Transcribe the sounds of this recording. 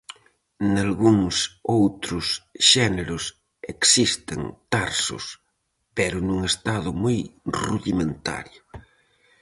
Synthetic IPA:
nalɣuŋsowt̪ɾʊsʃɛneɾʊs | eksist̪ḛŋt̪aɾsʊ̰s | peɾʊnũŋest̪aðʊmuojruðimẽnt̪a̰ɾjʊ

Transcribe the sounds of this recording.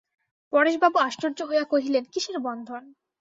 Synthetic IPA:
pɔɽeʃbabuaʃʈoɾd͡ʑoɦoejakoɦilenkiʃeɾbɔnd̪ʱon

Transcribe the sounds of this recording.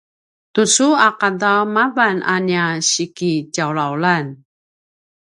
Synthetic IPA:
tusuakadamavanʔa̰njaɕikicawlawlan

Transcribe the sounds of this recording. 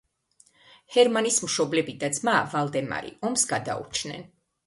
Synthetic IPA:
hɛɾmanismʃɔblɛbid̪ad̪zmaːvalˠd̪ɛma̰ɾḭɔmsɡad̪a̰ṵt͡ʃʰnɛ̰n

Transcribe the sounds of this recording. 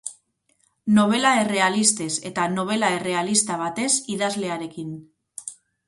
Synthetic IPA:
no̞β̞e̞lae̞re̞alist̪e̞se̞t̪ano̞β̞e̞lae̞re̞alist̪aβ̞at̪e̞siðazle̞aɾe̞kin

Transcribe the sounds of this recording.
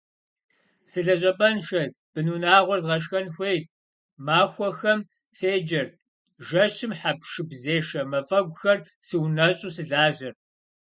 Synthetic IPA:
sɨɮɐɕʼɐpʼɐnʃɐd | b̥ɨnuːnaːʁʷɔrzʁɐʃ̬xɐnxʷejt̚ʼ | maːxʷɔxɐm | seːd͡ʒɐr | ʒɐʃɪmħapʃɨbzeːʃɐmɐfʼɐɡʷʊxɐr | sɨwnɐɕʼuːsɨɮaːʒɐr

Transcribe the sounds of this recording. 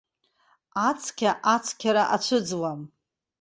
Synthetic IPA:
at͡sʰkʲʰaʔat͡sʰkʲʰaɾaʔat͡ʃʷʰɨd͡zwam

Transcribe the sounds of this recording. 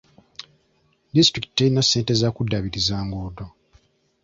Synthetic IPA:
distɾiki̥teinasːe̞ːnte̞zakudːaβiɾizaːŋɡoːdo

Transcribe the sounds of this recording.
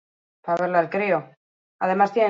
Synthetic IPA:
paβe̞ɾlaelkɾio | að̞e̞mast̪jene

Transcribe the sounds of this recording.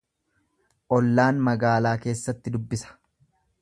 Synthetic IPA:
ʔɔlːaːnmɐɡaːlaːke̞ːsːɐt̪ːɪd̪ʊbːɪsɐ̥

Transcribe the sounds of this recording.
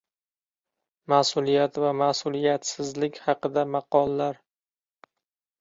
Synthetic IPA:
masʊlˠijat̪vamasʊlˠijat̪sɪzlɪkʲhɑqɨd̪amɑqɒlˠːaɾ

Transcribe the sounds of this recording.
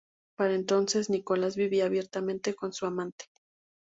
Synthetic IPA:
paɾaent̪o̞nse̞zniko̞lazβiβiaːβje̞ɾt̪amẽ̞nt̪e̞ko̞nsuamãnt̪e̥

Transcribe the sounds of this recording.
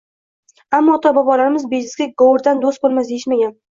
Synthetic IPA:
amːɒːt̪ʰɒbɒbɒlaɾɪmɪzbed͡ʒɪzɡʲaɡowʊɾd̪and̪ost̪̚bolˠmasd̪ejɪʃmaɡʲan

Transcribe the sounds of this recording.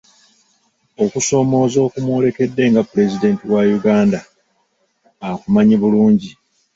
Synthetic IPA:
o̞kuso̞ːmo̞ːzo̞ːkumwo̞ːle̞ke̞dːe̞ːŋɡapːule̞zide̞ːntiwajuɡaːnda | akumaɲiβuluːɲɟi

